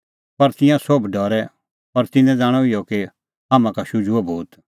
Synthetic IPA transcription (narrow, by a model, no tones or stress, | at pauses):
pɐɾt̪ɪ̃jãsobɖʱɔːɾɛ | pɐɾt̪ɪnɛ̃d͡zaːɽ̃ɔɪjɔki | ɦaːmãkaʃʊd͡ʒuabʱuːt̪